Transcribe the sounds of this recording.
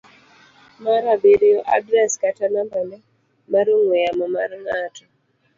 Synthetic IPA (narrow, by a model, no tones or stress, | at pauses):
maɾaɓeɾiɔʔa̰dɾɛskatanambanɛ | maɾuŋwɛjamamaɾiŋatu